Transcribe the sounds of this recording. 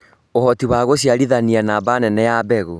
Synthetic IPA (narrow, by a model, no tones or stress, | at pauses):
ohɔtiwaɣoɕiaɾiðanianabanɛnɛjabɛɣo